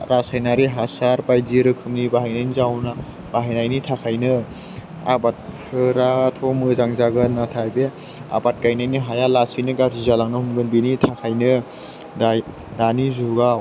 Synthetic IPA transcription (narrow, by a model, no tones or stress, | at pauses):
ɾasajnaɾiɦasaɾpajziɾɯkʰɯmnibaɦajnajnizawna | b̥aɦajnajnitʰakʰajnɯ | a̰bat̚kʰɯɾatʰɔmɯzaŋzaɡɯnatʰajbe | a̰bat̚kajnajnɯɦajalasinɯɡaɾzizalaŋnɯhumɡɯnbinitʰakʰajnɯ | da | danizuɡaw